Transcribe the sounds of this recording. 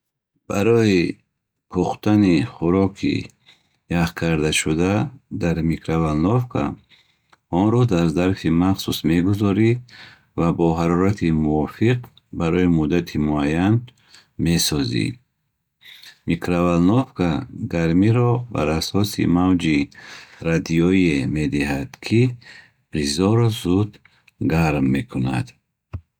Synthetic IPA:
b̥aɾɔi | kʰuχt̪ʰaniχuɾɔkʰḭ | jaχkʰaɾd̪aʃud̪ad̪aɾmikʰɾavalnɔfkʰa̰ | ɔnɾɔd̪aɾzaɾfimaχsusme̞ɡuzɔɾi | vabɔɦaɾɔɾat̪ʰimuɔfiq̚ | baɾɔimud̪at̪ʰimuajan | me̞sɔzḭ | mikɾavalnɔvkʰaɡaɾmiɾɔba̰ɾasɔsḭmavd͡ʒiɾad̪iɔieme̞d̪iɦad̪̥kʰi | bɾizɔɾɔzud̪ | ɡaɾmːe̞kʰuna̰d̪

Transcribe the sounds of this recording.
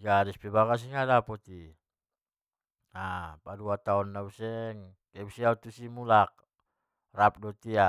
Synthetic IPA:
ɡaɾɛspɛbakas̬iŋadapɔt̪i | apaduat̪aɔnːausɛŋkɛbusiaut̪usimulak̚ | rap̚dɔt̪ia

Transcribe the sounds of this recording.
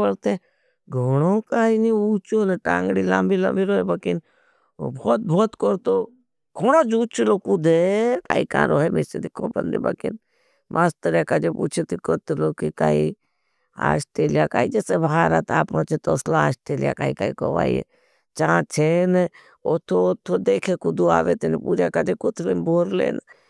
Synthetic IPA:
əɽt̪e | ɡʱoːɽokaːiniuːt͡ʃoːneʈãːŋɡɽilambilɐ̰mbiɾoːɦebɐkɪn | o̰bʱɔːt̪̚bʱɔːt̪koɾt̪o | ɡʰʱoɽ̃od͡ʒuːt͡ʃuloːkud̪eka̰ːikã̰ːɾoːemesed̪ikʰːopɐ̰nd̪ḭbɐ̰kɪ̰n | mʔast̪əɾakad͡ʒepṵːt͡ʃʰet̪ikoɾt̪lokika̰ːi | a̰ːsʈeːlijaka̰ːid͡ʒesebaɦaːɾat̪aːpnot͡ʃʰet̪oːslaaːsʈeːlija̰kaːikaːikoʋa̰ːiḛ | t͡ʃãt͡ʃʰen | ot̪ʰːot̪ʰːod̪eːkʰekud̪ua̰ːʋet̪inepuːd͡ʒakad͡ʒekʊt̪ʰlemboːɾlḛːn

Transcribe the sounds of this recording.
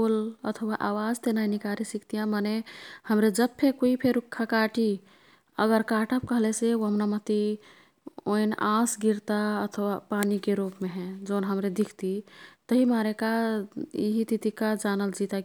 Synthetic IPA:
olət̪ʰəwaʔawad͡ʒt̪enainikaɾesikt̪ijãmanehəmɾed͡ʒəb̚pʰekoipʰeɾukʰːakaʈi | ə̰ɡəɾkaʈəb̚kəɦleseuɦəmnamət̪i | o̰inãsɡiɾt̪aət̪ʰəwapanikeɾupmeɦɛ̃d͡ʒoːnɦəmɾed̪ikʰt̪it̪əɦimaɾeka | ḭɦit̪it̪ikad͡ʒanəld͡ʒit̪ak

